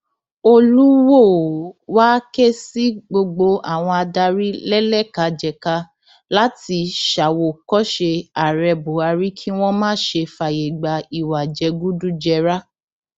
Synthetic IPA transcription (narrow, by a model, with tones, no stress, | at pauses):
o˧lu˦wo˦˨wa˦ke˦si˦ɡ͡bo˧ɡ͡bo˧a˦˨w̃ɔ̃˧a˧da˧ɾi˦lɛ˦lɛ˦˨ka˨˦d͡ʒɛ˨ka˧ | la˦ti˧ʃa˨wo˨kɔ˦ʃe˧a˨ɾɛ˧bo˨˦a˧ɾi˦kʰi˦w̃ɔ̃˦mãː˦˨˦ʃe˧fa˨je˨ɡ͡ba˧i˨wa˨d͡ʒɛ˨˧ɡu˦du˦d͡ʒɛ˧ɾa˦